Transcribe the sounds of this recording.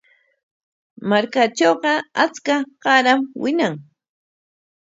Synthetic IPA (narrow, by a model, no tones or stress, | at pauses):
maɾkat͡ʃoːɢɑat͡skaɢ̥ɑɾamwɪnaŋ